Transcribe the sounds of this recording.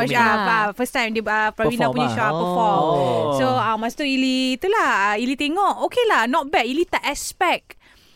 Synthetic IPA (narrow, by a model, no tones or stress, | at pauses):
aafəstãj̃mdeapawĩndapuɲaʃɔapəfɔlsoamãst̪uilit̪ulahailit̪eŋɔʔokelahnɔt̚bɛʔilit̪aʔɛspɛk̚